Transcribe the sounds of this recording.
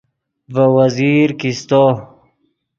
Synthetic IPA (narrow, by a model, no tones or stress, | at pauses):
vəwaziːɾkist̪o